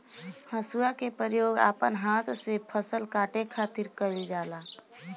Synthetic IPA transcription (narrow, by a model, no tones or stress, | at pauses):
həsuakepɾəɾjoːɡa̰ːpənɦaːt̪ʰsepʰəsəlkaːʈekʰaːt̪ɪɾkəɾid͡ʒaːla